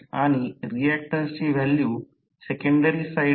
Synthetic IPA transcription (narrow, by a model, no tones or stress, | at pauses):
aːniɾijeːk̚ʈɐnsiʋelju | sekɐɳɖɐɾisɐj